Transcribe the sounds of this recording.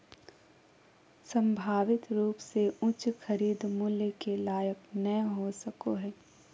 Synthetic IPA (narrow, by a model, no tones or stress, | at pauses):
sə̃mbʱaːʋɪt̪ɾuːpseʊ̃t͡ʃxʰɐɾiːd̪mʊljəkelaːjəknəɦosɐkoɦɛː